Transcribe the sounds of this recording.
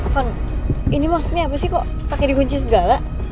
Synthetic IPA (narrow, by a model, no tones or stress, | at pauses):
faninimɔsɲaapasikɔʔ | pakɛdikuɲt͡ʃis̬əɡala